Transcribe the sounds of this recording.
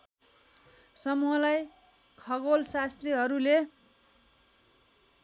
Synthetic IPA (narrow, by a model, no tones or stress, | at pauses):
sʌmuɦʌlaj | kʰʌɡolsast̪riɦʌɾule